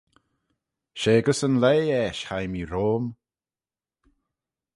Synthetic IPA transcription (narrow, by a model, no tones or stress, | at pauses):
ʃeːɡəsənleːɛːʃhajmiɾoːm